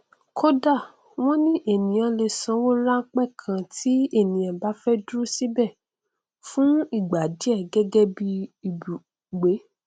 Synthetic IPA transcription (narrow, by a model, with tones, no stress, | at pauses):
kʰo˦da˦˨ | w̃ɔ̃˦nĩ˦ʔe˦˨nĩ˨jã˨˧le˧sã˧˦wɔ̃˦ɾa˦ŋ̩˦k͡pɛ˦˨kʰã˧tʰi˨˦e˦˨nĩ˨ã˨ba˨˦fɛ˦dɾu˦si˦bɛ˦˨ | fũ˦i˦˨ɡ͡ba˨di˦ɛ˦˨ɡɛ˦ɡɛ˦bi˧i˨bu˨ | ɡ͡be˨˦